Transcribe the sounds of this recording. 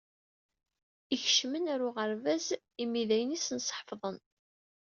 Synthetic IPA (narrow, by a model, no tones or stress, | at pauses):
iç̥ʃmənæɾuʁəɾvæz | imiðæjənisənsˤħfðˤən